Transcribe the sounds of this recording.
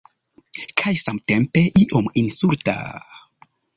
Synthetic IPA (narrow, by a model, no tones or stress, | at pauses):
kʰajsamtempe̞ʔiʔominsulta̰